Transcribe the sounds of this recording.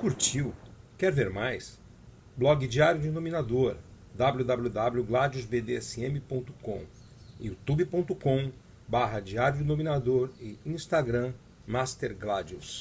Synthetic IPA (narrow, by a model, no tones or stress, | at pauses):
kuɾt͡ʃiwkɛɾveɾmajs | blɔɡɪd͡ʒiaɾjʊd͡ʒɪnominad̪oɾ | d̪abljud̪ablʲud̪ablʲuɡlad͡ʒuzbed̪eɛsɪẽmɪpõnt̪ʊ̥kõ̰ | iut̪ubipõt̪ʊkõ | baɦɐd͡ʒiaɾjʊd͡ʒɪnomĩnad̪oɾɪĩst̪aɡɾɐ̃ | mast̪eɾɡlad͡ʒus